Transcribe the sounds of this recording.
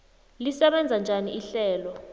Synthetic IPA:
lisɛɓɛnd͡zʱand͡ʒʱaniʔiɬɛːlɔ

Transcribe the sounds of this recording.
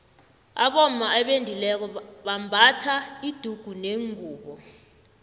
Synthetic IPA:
a̰ɓɔm̩maɛɓendʱilɛk̬ɔɓambʱatʰaid̥ʱuɡ̥ʱuneŋuːɓɔ

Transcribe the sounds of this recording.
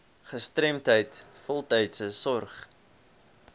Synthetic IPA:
χəstrɛmtɦəjtfɔlˠtɛjtsəsɔrχ

